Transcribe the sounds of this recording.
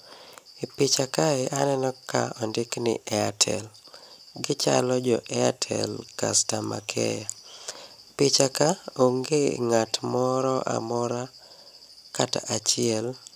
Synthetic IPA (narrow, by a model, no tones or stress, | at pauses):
ipɪt͡ʃakaɪʔanɛnɔka̰ɔndɪknɪ̰ʔɛatʰɛ̰l | ɡɪt͡ʃa̰lɔd͡ʒɔʔɛatʰɛ̰lka̰stama̰kʰɛ̰ja | pɪt͡ʃakaoŋɡeŋatmɔɾɔʔa̰mɔɾa | kataʔat͡ʃɪɛl